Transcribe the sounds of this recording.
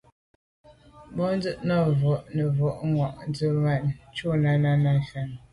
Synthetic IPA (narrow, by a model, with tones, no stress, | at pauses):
bɔ˦n˦d͡zə˦ʔnɔ˦˨vɔ˨ʔnə˨vɔ˨ʔŋwɔ˨ʔn˦d͡zə˦ma˦˨n˨t͡ʃo˦na˦na˦na˦fa˨n˨